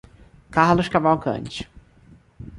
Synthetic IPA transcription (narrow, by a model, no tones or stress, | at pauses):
kahlʊʃkavawkɐ̰̃nt͡ʃɪ̥